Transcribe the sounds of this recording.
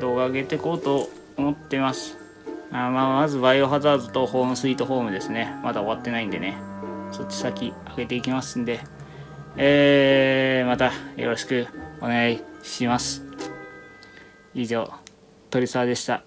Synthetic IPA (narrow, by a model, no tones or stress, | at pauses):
d̪o̞ːɡaːɡe̞t̪e̞ko̞ːt̪o̞ː | mo̞t̪ːe̞masɨ̥ | aːmaːmazɨbaioɦazaːzot̪o̞ho̞ːmɯ̟sɨiːt̪o̞ɦo̞ːmɯ̟d̪e̞sɨne̞mad̪ao̞βat̪ːe̞naĩnd̪e̞ne̞so̞t͡ɕːi̥sakʲi | aɡe̞t̪e̞ikʲimasɨ̃nd̪e̞ | eː | mat̪ajo̞̰ɾo̞ɕi̥kɯ̟o̞ne̞ɡaiɕimasɨ̥ | iʑo̞̰ː | t̪o̞ɾʲisaβad̪e̞ɕi̥t̪a